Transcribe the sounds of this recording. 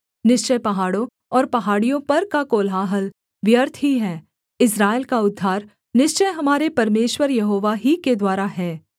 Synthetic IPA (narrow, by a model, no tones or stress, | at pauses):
nɪʃt͡ʃəjpɐɦaːɽõ | ɔːɾpɐɦaːɽijõpɐɾkakoːlɦaːɦəl | ʋjəɾt̪ʰɦiɦɛː | ɪs̬ɾaːelkaʊd̪ʱːaːɾ | nɪʃt͡ʃəjɦɐmaːɾepɐɾmeːʃwəɾjɐɦoːʋaɦiked̪waːɾaɦɛː